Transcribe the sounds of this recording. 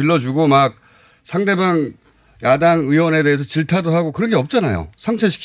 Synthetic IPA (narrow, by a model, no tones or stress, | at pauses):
iɭːʌd͡ʑuɡomak̚ | sʰaŋde̞baŋ | jadaŋɯwʌne̞de̞ɦes̬ʰʌt͡ɕiɭtʰadoɦaɡokɯɾʌɡeʌp̚t͡ɕ͈anajo̰sʰaŋt͡ɕʰeɕʰi̥kʰ